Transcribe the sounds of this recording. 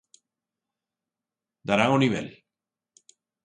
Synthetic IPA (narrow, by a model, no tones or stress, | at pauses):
d̪aɾaŋoniβḛl